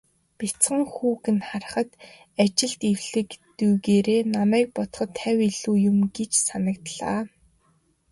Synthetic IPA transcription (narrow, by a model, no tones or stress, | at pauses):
pʲit͡sɢə̆ŋxuːɣɘ̆nχar̆χə̆t̪ | at͡ɕɪ̆ɮt̪iwɮɘ̆kt̪ujɣeːɾeːnamæːk̚pɔt̪χɞ̆t̪ʰːæwʲiɮuːjʊmɡet͡ɕsanə̆k̚t̪ɮa̰ː